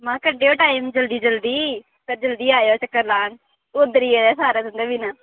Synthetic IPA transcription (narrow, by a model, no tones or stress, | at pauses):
mãːkəɖeːoːʈaːimd͡ʒəld̪iːd͡ʒəld̪iː | t̪əɾd͡ʒəld̪iːaːjoːt͡ʃəkːəɾlaːɳ | ʊd̪əɾiːeːeːsaːɾaːt̪ʊ̃nd̪eːbiːnãː